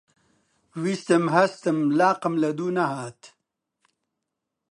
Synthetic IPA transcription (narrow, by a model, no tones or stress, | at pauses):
wist̪ɐmɦɐst̪ɐmlaːqɐmlɐd̪uːnɐɦaːt̪